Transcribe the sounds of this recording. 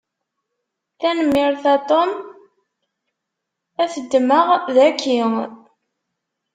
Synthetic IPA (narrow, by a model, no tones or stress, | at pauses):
θænmːɪɾθat̪ˤom | æθəd̪ːməʁðækʰːi